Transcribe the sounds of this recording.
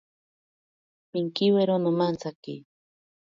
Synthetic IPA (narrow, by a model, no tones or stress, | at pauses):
piŋkiweɾonʊmant͡sakḭ